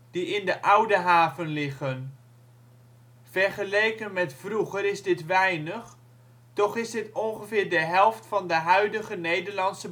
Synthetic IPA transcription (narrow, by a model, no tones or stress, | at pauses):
d̥iɪndəʔʌwdəɦaːvənlɪχən | vɛrχəlejkənmɛtfruχəɾɪzdɪtʋɛjnəχ | tɔχɪsdɪtɔnχəvɪːɹdəɦɛlˠftfɑndəɦœɥdəχənejdəɹlɑntsə